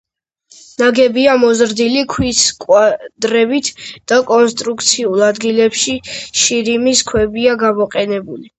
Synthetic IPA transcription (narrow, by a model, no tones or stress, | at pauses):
naɡɛbiamɔzɾd̪ilikʰwiskʼwad̪̥ɾɛbit̪ʰd̪̥akʼɔnst̪ʼɾukʰt̪sʰiulˠad̪ɡilɛpʃiʃiɾimiskʰwɛbiaɡamɔqʼɛnɛbuli